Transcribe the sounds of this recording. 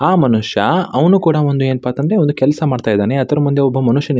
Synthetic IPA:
aːmɐnuʂjɐɐʋɐnuːkuːɽɐʋond̪ueːnpaːt̪ɐnd̪ɾe̞ond̪ukɛlɐsɐmaːɽt̪aːjd̪aːneɐt̪ɐɾɐmund̪eɔbːɐmɐnuʂjɐn

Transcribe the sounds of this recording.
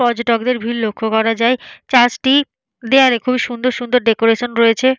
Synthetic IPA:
ɔd͡ʑoʈɔkd̪eɾbʱilːokʰːokɔɾad͡ʑaet͡ɕat͡ɕʈi | d̪eaɾekʰubiʃund̪oɾʃund̪oɾɖekoɾeʃonɾojet͡ɕʰe

